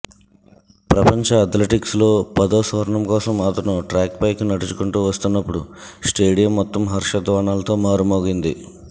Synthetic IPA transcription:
pɾɐpɐɲt͡ʃɐːt̪leʈikslo̞ːpɐd̪oːsʋɐɾɐɳɐmkɔːsɐmaːt̪ɐnuʈɾaːkpɐjkunɐʈut͡ʃukuɳʈuːʋɐst̪unːɐpːuɽusʈe̞ːɖijɐmːɔt̪ːɐmɦɐɾʂɐd̪ʋaːɳaːlɐt̪o̞ːmaːɾumoːɡind̪i

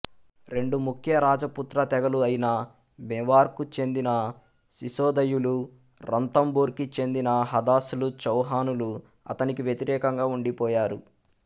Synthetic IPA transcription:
ɾe̞ɳɖumukʰjɐɾaːd͡ʒɐput̪ɾɐt̪ɛɡɐluɐjinɐ | bɛʋaːɾkut͡ʃe̞nd̪inɐ | siʃɔːd̪ɐjulu | ɾɐnt̪ɐmbuːɾkit͡ʃe̞nd̪inɐɦɐd̪aːsulut͡ʃɐwɦaːnulu | ɐ̰t̪ɐnikiʋjet̪iɾɛːkɐŋɡaːuɳɖipɔːjaːɾu

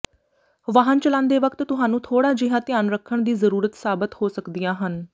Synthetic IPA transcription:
ʋaːɦənt͡ʃəlãːnd̪eːʋəkt̪t̪ʊɦãːnũːt̪ʰoːɽaːd͡ʒɪɦãːt̪ɪjaːnɾəkʰːəɳd̪iːzəɾuːɾət̪saːbət̪hoːsəkd̪ijãːɦən

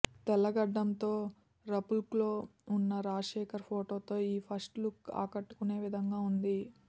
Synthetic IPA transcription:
t̪ɛlɐɡɐɖːɐmt̪oː | ɾɐpulplo̞ːunːɐɾaːʂɛːkɐɾpʰoːʈo̞ːt̪o̞ːiːpʰɐsʈlukːa̰ːkɐʈːu̥kune̞ːʋid̪ʱɐŋɡaːund̪i

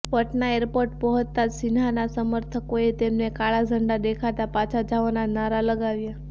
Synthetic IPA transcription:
pəʈnaeɾpoɾʈpəɦət̪ːasinɦanasəməɾt̪ʰəkoet̪emnekaɭad͡ʒʱəɳɖad̪ekʰat̪apat͡ʃʰad͡ʒaʋonanaɾaləɡaʋja

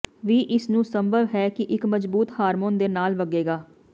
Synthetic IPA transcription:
ʋiːʔɪsnũːsəmbʱəʋɦɛːkɪʔɪkməzbuːt̪haːɾmoːnd̪eːnaːlʋəɡeːɡaː

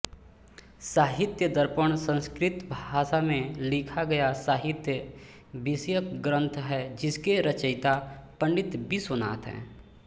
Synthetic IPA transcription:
saːɦɪt̪jəd̪əɾpəɽ̃sə̃nskɾɪt̪bʱaːʃamẽlɪkʰaɡɐjasaːɦɪt̪jə | bɪsjəkɡɾə̃nt̪ʰɦɛd͡ʒɪskeɾət͡ʃəɪt̪apə̃ɳɖɪt̪bʱisʊna̰ːt̪ɦɛ̰̃ː

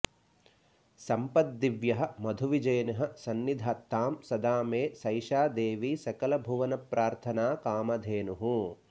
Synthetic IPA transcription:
sɐmpɐd̪ːiʋjɐɦɐ̆mɐd̪ʱuʋid͡ʒɐjɐnɐɦɐ̆sɐnːid̪ʱat̪ːaːmsɐd̪aːmeːsɐjʃaːd̪eːʋiːsɐkɐlɐbʱuʋɐnɐpɾaːɾt̪ʰɐnaːkaːmɐd̪ʱeːnuɦu

